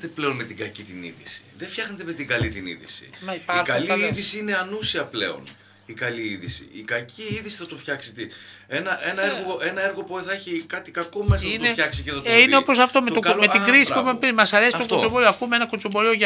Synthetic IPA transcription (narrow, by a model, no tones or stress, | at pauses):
t̪eple̞onmet̪iɡɐcit̪inḭðisi̥ðefçɐxnet̪eme̞t̪iɡɐlit̪inḭðḭsḭmipɐikɐliiðisiine̞ɐnusiɐple̞̰o̞̰n | ikɐliiðisḭikɐcʰiiðisi̥θɐt̪ofçɐksit̪i | enɐʔe̞nɐeɾɣoe̞nɐe̞ɾɣo̞poiθɐeçikɐt̪i̥kɐko̞mezinneçɐksiceθɐtoineo̞po̞s̬ɐft̪o̞met̪omet̪iɡɾisipumepimɐsɐɾesit̪okosovolioɐkumeenɐkot͡sovolioʝɐ